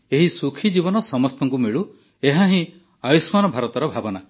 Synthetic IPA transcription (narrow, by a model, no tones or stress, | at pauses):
eɦisukʰid͡ʒibɔnɔsɔmɔst̪ɔŋk̬umeɭu | eɦaɦĩ | ajusmanɔbʱaɾɔt̪ɔɾɔbʱabɔna